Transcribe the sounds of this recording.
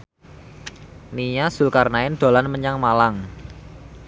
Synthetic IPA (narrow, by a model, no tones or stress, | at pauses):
niɲaz̥ʊ̤lkarnaɪnd̪̥o̤lanməɲaŋmalaŋ